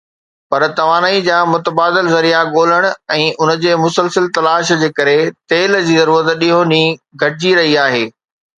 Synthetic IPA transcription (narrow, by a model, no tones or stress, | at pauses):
pɐɾt̪ɐʋaːnaːid͡ʑaːmʊt̪əbaːd̪ɪlzɐɾijaɠoːləɽ̃ʊ̆ɛ̃ːʔʊnə̆d͡ʑeːmʊsəlsəlt̪ɐlaːʃd͡ʑeːkɐɾet̪eːld͡ʑiːzɐɾuːɾət̪ɗiɦoniɡʱɐʈɪd͡ʑiɾɐɦiaːɦeː